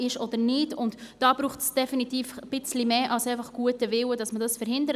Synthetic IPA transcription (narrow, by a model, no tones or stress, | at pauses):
ɪʃɔd̪əɾnɪdʊntd̥ɑːb̥ɾuːχtsd̥ɛfinitiːfb̥ɪt͡slimeːʔɑlsɛɪfɑχɡ̥uətəvɪwədɑsmədɑsfəɾhɪndəɾ